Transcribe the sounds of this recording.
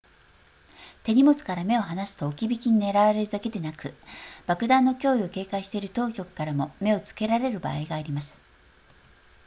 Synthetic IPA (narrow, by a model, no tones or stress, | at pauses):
t̪e̞ɲ̟imot͡sɨ̥kaɾame̞o̞ɦanasɨ̥t̪o̞ːkʲibʲikʲiɲ̟ine̞ɾaβaɾe̞ɾɯ̟d̪ake̞d̪e̞nakɯ̟b̥akɯ̟d̪ãnːo̞kʲo̞ːio̞ke̞ːkaiɕi̥t̪e̞iɾɯ̟t̪o̞ːkʲo̞kɯ̥kaɾamo̞me̞o̞t͡sɨ̥ke̞ɾaɾe̞ɾɯ̟ba̰ːiɡaːɾʲimasɨ̥